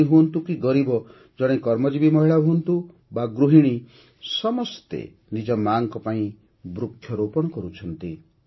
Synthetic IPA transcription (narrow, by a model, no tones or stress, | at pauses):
iɦuɔnt̪ukiɡɔɾibɔ | d͡ʒɔɽ̃ẽkɔɾmɔd͡ʒibimɔɦiɭaɦuɔnt̪u | baɡɾuɦiɽ̃i | sɔmɔst̪ḛ | nid͡ʒɔmaŋkɔpaĩ | bɾukʰːjɔɾopɔɽ̃ɔkɔɾut͡ʃʰɔnt̪i